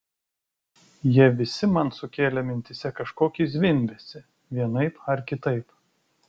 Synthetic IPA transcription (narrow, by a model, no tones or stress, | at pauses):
jiɛʋʲɪsʲɪmɐnsʊkʲeːlʲɛmʲɪnʲt̪ʲɪsʲɛkɐʃkoːkʲizʲʋʲɪnʲˑbʲɛsʲɪ | ʋʲiɛnɐɪpɐɾkʲɪt̪ɐɪp